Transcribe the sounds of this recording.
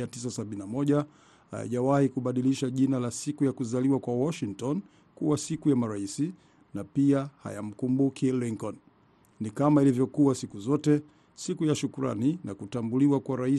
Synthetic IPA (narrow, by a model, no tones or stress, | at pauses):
atis̬asaɓininamɔʄa | ha̰ja̰ʄawahikuɓaɗiliʃaʄinalasikujakuzaliwakwawɔʃiŋtɔn | kuwasikujamaɾaisi | napiaha̰ja̰m̩kumbukʰiliŋkɔn | nikamailivjɔkuwasikuzɔtɛ | sikujaʃukuɾa̰nina̰kutambuliwakwaɾai